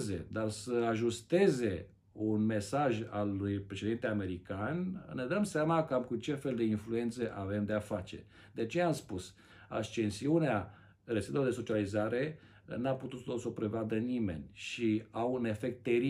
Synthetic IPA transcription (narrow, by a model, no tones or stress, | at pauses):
ze̞̰d̪arsəaʒust̪e̞ze̞ | unme̞saʒalujpɾe̞ʃed̪int̪eame̞ɾikanne̞d̪əmseamakamkut͡ʃe̞fe̞ld̪e̞influe̞nt̪seʔave̞md̪e̞afat͡ʃe̞̰ | d̪̥eat͡ʃe̞amspus | a̰st͡ʃe̞nsiunea | resid̪eod̪e̞so̞t͡ʃializaɾe̞ | naput̪ut̪d̪oso̞pɾe̞vad̪ənime̞̰nʲʃiawune̞fek̚t̪ːe̞ɾi